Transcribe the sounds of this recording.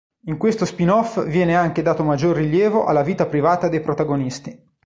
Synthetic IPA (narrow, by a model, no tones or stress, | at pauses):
iŋkwest̪ospinɔfvjɛːneaŋk̟ed̪aːt̪omad͡ʒːorːiljɛːvoʔa̰lːaviːt̪apɾivaːt̪ad̪ejpɾot̪aɡonist̪i